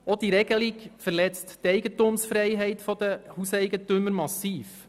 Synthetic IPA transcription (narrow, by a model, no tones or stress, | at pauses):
ɔd̥̪iɾɛɡ̥əlikfəɾlɛt͡sttɛɪɡətumsfɾɛɪɦɛɪtfɔd̥̪əhusɛɪɡətʏməɾmɑsiːf